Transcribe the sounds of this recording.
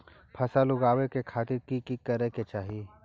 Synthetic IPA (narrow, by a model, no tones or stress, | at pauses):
pʰɐsalʊɡaːwekekʰaːt̪ɪɾkikikɐɾeket͡ʃaːɦie